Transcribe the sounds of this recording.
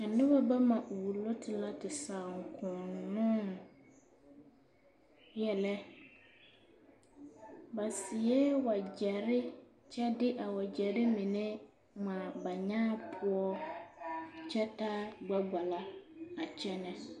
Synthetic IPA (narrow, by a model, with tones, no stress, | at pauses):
a˨nɪ̃˦bɛ˦ba˦mã˨ʔwu˨lo˦tʰɪ˨la˦tʰɪ˨sã˨ŋ˨kʰʊ̃˨nnʊ̃˦n | jɛ˨lɛ˦ | ba˨sɪ˨ɛ˦wa˨d͡ʑɛ˨ɾɪ˦ | t͡ɕʰɛ˦dɪ˦ʔa˨wɔ˨d͡ʑɛ˨ɾɪ˦mĩ˨nɪ̃˦ | mã˨ba˨ɲãː˦pʰʊ˦ɔ˦ | t͡ʃʰɛ˦tʰa˦ɡ͡ba˦ɡ͡ba˨la˦a˨t͡ɕʰɛ˦nɛ̃˦